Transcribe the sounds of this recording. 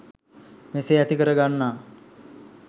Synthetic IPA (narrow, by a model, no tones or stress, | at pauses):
meseæt̪ikəɾəɡanːaː